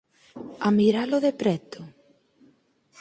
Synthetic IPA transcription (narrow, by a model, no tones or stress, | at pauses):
amiɾaloðepɾɛt̪o